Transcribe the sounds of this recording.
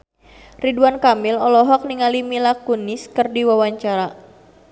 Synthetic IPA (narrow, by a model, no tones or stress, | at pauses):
riduankamilɔlɔɦɔk̚niŋalimilakunɪskɨrdiwawaɲt͡ʃaɾa